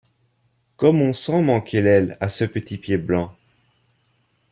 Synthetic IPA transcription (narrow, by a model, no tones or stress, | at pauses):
kɔmɔ̃sɑ̃mɑ̃kelɛla̰səpət̪ipjeblɑ̃